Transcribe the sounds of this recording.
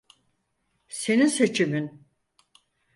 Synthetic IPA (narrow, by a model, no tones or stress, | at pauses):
se̞ninse̞t͡ʃʰimin